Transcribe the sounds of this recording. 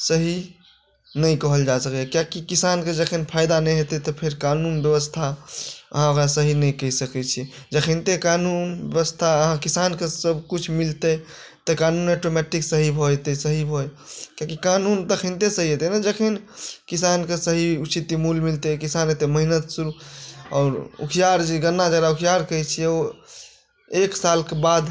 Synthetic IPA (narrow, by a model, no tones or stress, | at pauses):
səɦi | nəjkɔɦəld͡ʒasəkekjakikisanked͡ʒəkʰenpʰajd̪anəjɦet̪et̪ɔpʰeɾkanunbjəʋəst̪ʰaə̰ɦãokɾasəɦinəjkəisəkɛt͡ʃʰi | d͡ʒəkʰint̪ekanunbjəʋəst̪ʰaəɦãkisankesəbkut͡ʃʰmilt̪e | t̪əkanunaʈomɛʈiksəɦibʱojt̪əsəɦibʱojkãkikanunt̪əkʰĩnt̪esəɦiɦet̪enəd͡ʒəkʰinkisankesəɦiut͡ʃit̪imulmilt̪ekisanet̪eməɦinət̪suɾuɔ̰ːɾṵkʰjaɾd͡ʒeɡənːad͡ʒəɡɾaukʰijaɾkəɛt͡ʃʰiɛo | eksalkebad̪